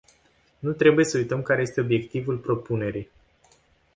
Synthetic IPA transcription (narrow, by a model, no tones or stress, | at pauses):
nut̪ɾe̞buje̞səujt̪əmkaɾe̞je̞st̪e̞o̞bje̞kt̪ivulpɾo̞pune̞ɾij